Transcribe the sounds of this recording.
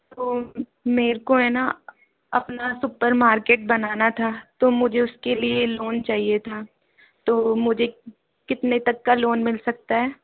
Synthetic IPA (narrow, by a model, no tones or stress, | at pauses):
t̪oː | meːɾkoɦɛːna | ɐpnasʊpəɾmaːɾkeːʈ̚bɐnaːnat̪ʰaːt̪oːmʊd͡ʒʱeʊskelieloːnt͡ʃaːɦiet̪ʰaː | t̪oːmʊd͡ʒʱe | kɪt̪net̪ɐkːaloːnmɪlsɐk̚t̪aɦɛː